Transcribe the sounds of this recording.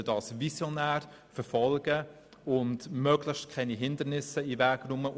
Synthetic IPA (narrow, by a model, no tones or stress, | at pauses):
ədɑsvisjonæːɾ | fəɾfɔlɡ̥ə | ʊntmœːɡlɪçtkʰɛniɦɪndəɾnɪsəivæːɡɾʊmə